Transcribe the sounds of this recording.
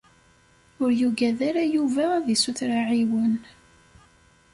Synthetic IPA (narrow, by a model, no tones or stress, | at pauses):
ʊɾjuɡæðaɾajuvæðisuθɾaʕiwən